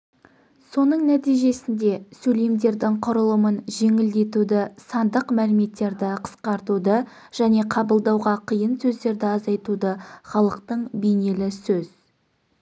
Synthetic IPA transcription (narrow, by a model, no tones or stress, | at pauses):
so̞nəɴnæt̪ijʒe̞sɪnd̪e̞sɵle̞md̪e̞ɾd̪ɪŋqʰʊɾəlˠəmənʒe̞ŋɪld̪e̞t̪ud̪ɪsɑnd̪əqmælɪme̞t̪ːe̞ɾd̪ɪqʰə̥sqɑɾt̪ud̪ə | ʒ̥æne̞qʰɑbəlˠd̪ɑwʁɑqʰijənsɵzd̪e̞ɾd̪ɪɑzɑjt̪ud̪əχɑlˠəqt̪əɴbejne̞lɪsɵz̥